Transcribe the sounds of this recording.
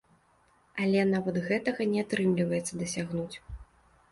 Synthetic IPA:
alʲɛnavɐd̪ɣɛt̪ɐɣɐnʲɛat̪ɾɨmlʲivɐjɛt̪sːɐd̪ɐsʲaɣnut͡sʲ

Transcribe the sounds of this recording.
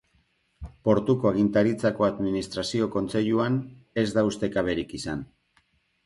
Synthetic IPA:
po̞ɾt̪uko̞aɣint̪aɾit͡sako̞aðminist̪ɾasio̞ko̞nt͡se̞ʎuane̞zd̪aust̪e̞kaβ̞e̞ɾikisan

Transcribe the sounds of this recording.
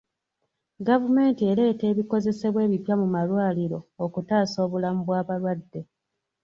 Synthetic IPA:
ɡavume̞ːntie̞le̞ːte̞ːβiko̞ze̞se̞βwe̞ːβipjamumalwaːliɾo̞okutaːso̞ːβulamuβwaːβalwadːe̞

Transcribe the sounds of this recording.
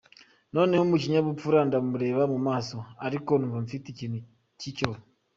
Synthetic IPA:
no̞ːnehomuciɲaβupuɾandamuɾe̞βamumaːso̞aɾikonuvamfiticin | cico

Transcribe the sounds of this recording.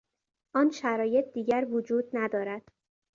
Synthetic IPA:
ʔɒːnʃæɾɒːje̞t̪̚ʰd̪iːɟæɾvod͡ʒuːd̪̚næd̪ɒːɾæd̪̥

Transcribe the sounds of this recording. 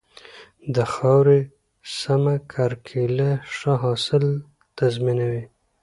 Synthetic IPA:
d̪əxɑwɾe | samakʰaɾkʰilaʂaɦɑsɪl | t̪azminawi

